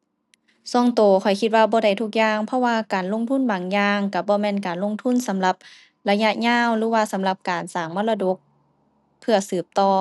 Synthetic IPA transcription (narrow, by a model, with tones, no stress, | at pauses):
sɔ˧˩˨ŋt̪oː˨˩kʰɔ˨˩jkʰi˧t̪̚waː˧bɔː˧da˧˩jt̪ʰu˧˩k̚jaː˧ŋpʰɔ˧˥waː˧˨kaː˨˩nlo˧˥˨ŋt̪ʰu˧˥˨nbaː˨˩ŋjaː˧ŋka˧˩bɔː˧˦mɛː˧˥˨nkaː˨nlo˧˨ŋt̪ʰu˧˥˨nsa˨˦mla˧˦p̚ | la˧ja˧˥ʔɲaː˧˥˨wlɯː˨˦waː˧˩sa˨˦mla˧˦p̚kaː˨˩nsaː˨˩ŋmɔː˧˥˨la˧do˧˦k̚ | pʰːɯ˧ɐsɯː˧˩p̚t̪ɔː˧˩